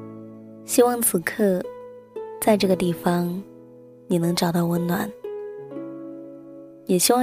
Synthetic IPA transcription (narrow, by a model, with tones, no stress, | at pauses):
ɕi˥wɑ˥˩ŋt͡sʰɹ̩˨˩kʰɤ˥˩ | t͡sa˥˧ɪʈ͡ʂɤ˥˩ɡə˩t̪̬i˥˩fɑ˧˩ŋ | ni˨˩nɤ˧˥ŋʈ͡ʂɑ˨˩ʊt̪ɑ˥˩ʊwə˧˥nnwa˨˩˦n | jɛ˨˩ɕi˥wɑ˥˩